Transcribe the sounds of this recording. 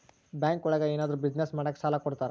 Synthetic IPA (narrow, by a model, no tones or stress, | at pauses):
bjaːŋkɔɭɛɡeeːnaːd̪ɐɾubid͡ʒnesmaːɽɐkːsaːlɐkɔɽt̪aːɾe